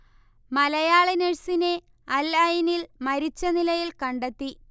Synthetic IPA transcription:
mɐlɐjaːɭineɻsine̞ | ɐlɐjinilmɐɾit͡ɕːɐnilɐjilkɐɳɖet̪ːi

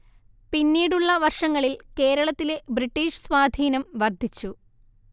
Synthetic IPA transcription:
pinːiːɽuɭːɐʋɐrʂɐŋːɐɭilke̞ːɾɐɭɐt̪ːile̞briʈːiːʂswaːd̪ʱiːnɐmʋɐrd̪ʱit͡ɕːu

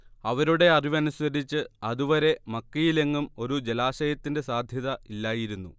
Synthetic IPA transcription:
ɐʋɐɾuɽe̞ɐriʋɐnusɐdit͡ɕːɨɐðuʋɐɾe̞mɐkːɐjile̞ŋːumo̞ɾud͡ʑelaːɕɐjɐt̪ːinde̞saːd̪ʱjɐðɐilːaːjiɾunːṵ

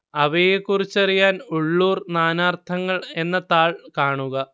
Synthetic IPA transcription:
ɐʋejekːurit͡ɕːɐrijaːnuɭːuːrnaːnaːrt̪ʰɐŋːɐɭe̞nːɐt̪aːɭkaːɳuɣɐ

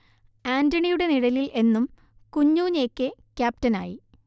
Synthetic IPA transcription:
aːndɐɳijuɽe̞niɽɐlilʔe̞nːum | kuɲːuːɲeːkːɨkʲaːp̚tɐna̰ːji

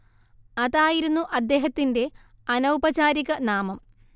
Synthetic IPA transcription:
ɐðaːjiɾunːuʔɐd̪ːe̞ːɦɐt̪ːinde̞ | ɐnɐwbɐt͡ɕaːɾiɣɐnaːmɐm

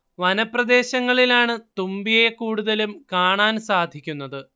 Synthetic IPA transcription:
ʋɐnɐprɐd̪e̞ːɕɐŋːɐɭilaːɳɨt̪umbijekuːɽuðɐlumkaːɳaːnsaːd̪ʱikʲːunːɐðɨ

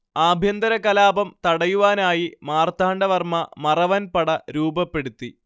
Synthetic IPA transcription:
aːbʱjɐnd̪ɐɾɐkɐlaːbɐmt̪ɐɽɐjuʋaːnaːjimaːrt̪ʰaːɳɖɐʋɐrmɐmɐrɐʋɐnpɐɽɐɾuːbɐpːe̞ɽut̪ːi

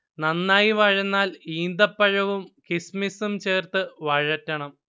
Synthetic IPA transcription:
nɐnːaːjiʋɐɻɐnːaːliːnd̪ɐpːɐɻɐʋumkismisumt͡ɕeːrt̪ɨʋɐɻɐtːɐɳɐm

